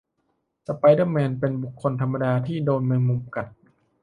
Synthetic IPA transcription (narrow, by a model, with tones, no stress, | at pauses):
sa˧pa˧jdə˥˩mɛː˧npe˧nbu˨˩kʰːo˧nt̪ʰa˧mːa˧daː˧t̪ʰiː˥˩doː˧nmɯ˧ŋmu˧mka˨˩t̚